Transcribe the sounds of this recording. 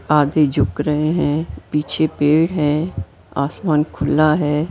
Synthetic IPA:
aːd̪ed͡ʒʊkɾəɦeɦɛ̃ːpiːt͡ʃʰepeːɽɦɛ̃ | aːsmaːnkʰʊlːaɦɛː

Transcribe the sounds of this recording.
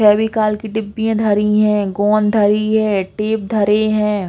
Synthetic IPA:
t͡ʃʰɛːbikaːlkiʈɪbːijẽd̪ʱɐɾiɦɛ̃ːɡɔːnd̪ʱɐɾiɦɛ̃ːʈeːp̚d̪ʱɐɾeɦɛ̃ː

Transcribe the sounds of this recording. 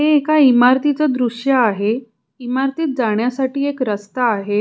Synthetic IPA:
ɦeːkaimaɾt̪it͡səd̪ɾuʂjaːɦe | imaɾt̪iːt̪̚d͡zaɳ̃jasaʈiːekɾəst̪aːɦe

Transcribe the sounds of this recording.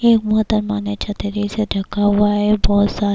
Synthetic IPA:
eːkmʊɦt̪əɾmaːnet͡ʃʰɐt̪eɾiseɖʱɐkːaɦʊaɦɛbɔːt̪saː

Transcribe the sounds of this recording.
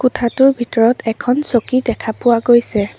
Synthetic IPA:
kʊtʰatʊɹbʱitɔɹɔtʰɛkʰɔnsokidɛkʰapʊwaɡojsɛ

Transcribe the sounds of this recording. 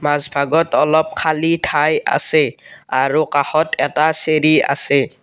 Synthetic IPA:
mazbʱaɡɔtɔlɔp̚kʰalitʰaja̰sɛaɹukaxɔtʰɛtaseɹia̰sɛ

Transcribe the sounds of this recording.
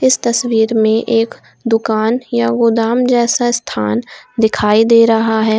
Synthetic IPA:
ɪst̪ɐswiːɾmẽʔeːk | d̪ʊkaːnjaɡʊd̪aːmd͡ʒɛːsaɪst̪ʰa̰ːnd̪ɪkʰaːid̪eːɾɐɦaɦɛː

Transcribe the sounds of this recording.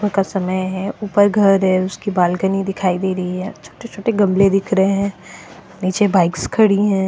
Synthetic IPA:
əkasɐməjɦɛuːpəɾɡʱɐɾɦɛʊskibaːlɡənid̪ɪkʰaːid̪eːɾɐɦiɦɛt͡ʃʰo̥ːʈet͡ʃʰoːʈeɡɐ̃mled̪ɪkʰɾɐɦẽɦɛ̃ː | niːt͡ʃebaːɪkskʰɐɽiɦɛ̃ː

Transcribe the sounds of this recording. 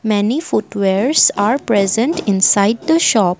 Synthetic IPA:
mɛnifʊʈʋeɾsaːɾpɾɛzə̃ɳʈɪ̃nsaɪɖ̚d̪əʃɔːp

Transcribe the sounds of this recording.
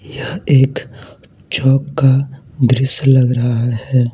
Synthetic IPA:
jɐɦeːk | t͡ʃɔːkːad̪ɾɪslɐɡɾɐɦahɛː

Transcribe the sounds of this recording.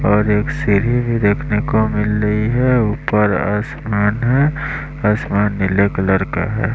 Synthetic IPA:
ɔːɾeːksiɾibʱid̪eːkʰnekomɪlːəiɦɛuːpəɾa̰ːsmaːnɦɛ | aːsmaːnːɪlekələɾka̰ɦɛ̰ː

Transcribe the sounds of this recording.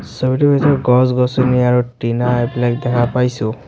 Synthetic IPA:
sɔbiʈubʱitɔɡɔsɡɔsɔniaɹuʈinaeplajk̚d̪ɛkʰapajsʊ̃

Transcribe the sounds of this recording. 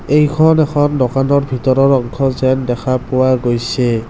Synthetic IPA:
ejkʰɔnɛkʰɔndɔkanɔɹbʱitɔɹɔɹɔŋkʰɔzɛndɛkʰapʊwaɡojsɛ

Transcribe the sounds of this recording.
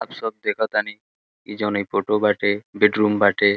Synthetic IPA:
abʃɔb̚d̪ekʰat̪ani | ḭd͡ʑɔnejfoʈobaʈebeɖɾumbaʈe

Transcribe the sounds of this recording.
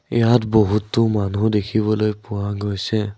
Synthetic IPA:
ɛjatboɦutːʊmanudekʰiβɔlojpʊwaɡojsɛ

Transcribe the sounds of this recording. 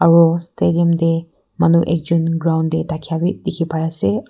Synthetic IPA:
ɐɹɔstediɐmde | mɐnuʔek̚d͡ʒunɡɾawndetakʰijabit̚dikʰipʰajase

